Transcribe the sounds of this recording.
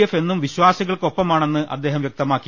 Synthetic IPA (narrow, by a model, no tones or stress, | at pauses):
efe̞nːumʋiɕwaːsiɣɐɭko̞pːɐmaːɳe̞nːɨʔɐ̰d̪ːe̞ːɦɐmʋjek̚t̪ɐmaːkːi